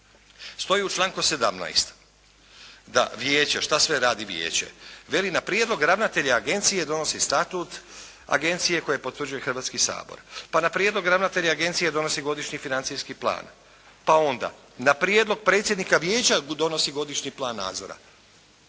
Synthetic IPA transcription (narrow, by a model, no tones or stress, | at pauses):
st̪o̞jiut͡ʃlˠaːŋkuse̞d̪amna̰jst̪ | d̪a̰ʋjeːt͡ɕaʃt̪asʋeɾaːd̪iʋje̞̰ːt͡ɕḛʋe̞linapɾjed̪lo̞ɡɾaʋnat̪e̞ʎaaɡe̞nt̪sije̞d̪o̞no̞sist̪at̪ut̪ | a̰ɡe̞nt̪sije̞ko̞je̞po̞t̪ʋr̩d͡ʒuje̞xr̩ʋat̪skisa̰ːbo̞̰ɾpanapɾjed̪lo̞ɡɾaʋnat̪e̞ʎaaɡe̞nt̪sije̞d̪o̞no̞siɡo̞d̪iʃɲifinant̪sijskiplˠa̰ːn | pao̞nd̪a̰ | napɾjed̪lˠo̞ɡ̚pɾet̪sjed̪nikaʋjeːt͡ɕad̪o̞no̞siɡo̞d̪iʃɲiplˠaːnːa̰ːd̪zo̰ɾa̰